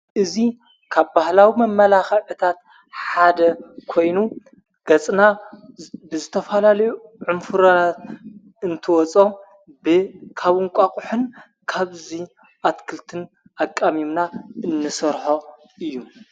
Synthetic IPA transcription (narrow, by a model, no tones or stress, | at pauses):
ʔɨzi | kʰaβbahlawimɐmːɐlaxɐʕɨt̪ʰat̪̚ | ħad̪ɐkʰo̞jnu | ɡ̥ɐt͡sʼna | bɨzɨt̪ʰɐfɐlalɐjuʕʊmfɨɾɐnat̪ | ɨnt̪ʰɨwɔt͡sʼo | bɨkʰaβɨŋkʷʼakʼʊħɨn | kʰaβzi | ʔat̪kʰɨlt̪ʰɨn | ʔakʼːamimnaɨnːɨsɐɾħo̞ | ʔɨjːu